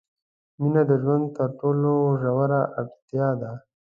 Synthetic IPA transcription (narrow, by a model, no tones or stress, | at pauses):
minad̪əʒwand̪t̪əɾʈoloʒawaɾaʔaɡt̪jɑd̪a